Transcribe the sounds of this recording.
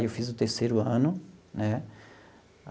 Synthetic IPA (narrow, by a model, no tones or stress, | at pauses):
ewfizʊt̪eɾsejɾʊɐ̃nʊnɛ